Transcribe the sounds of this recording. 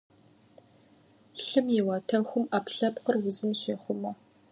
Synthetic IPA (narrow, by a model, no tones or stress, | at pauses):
ɬɨmjɪwaːtʰɐxʷʊmaːpɬɐpqərwʊzɨmɕeːχʷʊmɐ